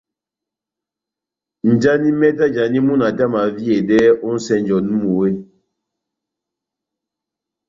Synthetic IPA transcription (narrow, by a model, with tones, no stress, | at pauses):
n̩˨d͡ʒa˦ni˦mɛ˦ta˦d͡ʒa˨ni˦mu˦na˨ta˦ma˨vi˦e˨dɛː˦o˦n̩˦sɛ˦n˦d͡ʒɔ˨n˦mu˨we˦